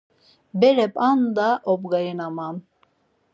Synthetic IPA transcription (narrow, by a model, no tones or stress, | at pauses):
bɛɾɛpʼand̪aʔɔbɡajɯnamam